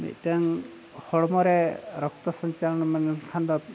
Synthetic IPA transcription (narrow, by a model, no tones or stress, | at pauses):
mḭt̪̚taŋ | hɔɽɔmɔɾɛɾɔkt̪ɔsɔɲt͡ʃalɔnɔmanɛnkʰand̪ɔ